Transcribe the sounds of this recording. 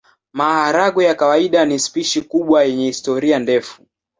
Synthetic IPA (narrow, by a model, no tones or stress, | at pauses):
mahaɾaɡɔjakawaiɗanispiʃikuɓwajɛɲɛhistɔɾiandɛfu